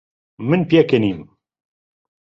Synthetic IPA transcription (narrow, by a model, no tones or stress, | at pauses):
mɨnpjɛkeniːm